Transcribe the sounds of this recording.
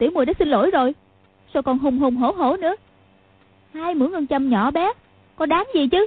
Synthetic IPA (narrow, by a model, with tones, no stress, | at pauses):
t̪ḭ˨˧˩əwmu˨˩ɗa̰ː˧˥si˧nlo̰˧˥jzo˨˩j | sɔ˧wkɔ˨˩nɦo˨˩ŋ͡mɦo˨˩wŋ͡mɦo˧˩˦ɦo̰˧˩nɨ̰˧˥ə | haː˧jmɨ̰˧˥əŋʔə˧nt͡ɕə˧mɲɔ̰˧˩˨ɓɛ˨˦ | kɔ˨˦ɗaː˨˦ŋzi˨˩t͡ɕɨ˨˦